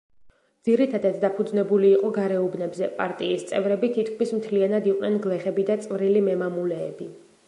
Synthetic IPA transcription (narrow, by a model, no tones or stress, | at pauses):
d̪z̥iɾit̪ʰad̪ad̪d̪apʰud̪znɛbuliːqʼɔɡaɾɛubnɛbzɛpʼaɾt̪ʼiːst̪sʼɛvɾɛbit̪ʰit̪kʰmismt̪ʰlianad̪iqʼnɛnɡlɛχɛbid̪at̪sʼvɾilimɛmamulɛːbi